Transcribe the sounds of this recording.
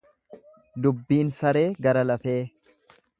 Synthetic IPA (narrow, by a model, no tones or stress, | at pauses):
d̪ʊbːiːnsɐɾe̞ːɡɐɾɐlɐfeː